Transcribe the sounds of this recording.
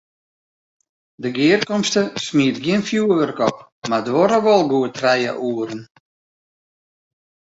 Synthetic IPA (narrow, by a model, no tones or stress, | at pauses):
dəɡɪərkɔmstəsmiətɡjiənfjuəʋərkɔp̚ | madʋɔɾəʋɔlˠɡuətʰrɛjə̰ʔuəɾən